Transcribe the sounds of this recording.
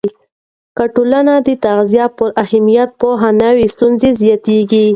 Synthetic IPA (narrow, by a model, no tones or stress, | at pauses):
kaʈolanad̪ət̪aɣzijɑpəɾahamijat̪̚poɦanawist̪unzezijɑt̪eɡi